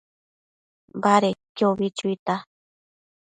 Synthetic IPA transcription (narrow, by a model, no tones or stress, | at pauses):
mbaɾekʲjoβit͡ʃuit̪a